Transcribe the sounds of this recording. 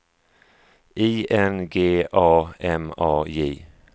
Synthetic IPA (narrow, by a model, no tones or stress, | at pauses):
ʔiːʔɛnɡeːʔɑːɛmɑːjeː